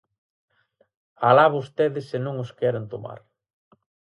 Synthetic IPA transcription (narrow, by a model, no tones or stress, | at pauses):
alaβost̪eðɪsːɪnõŋoskɛɾent̪oma̰ɾ